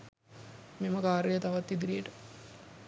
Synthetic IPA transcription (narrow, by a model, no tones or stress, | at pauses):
meməkaːɾejət̪aʋat̪ːid̪iɾijəʈə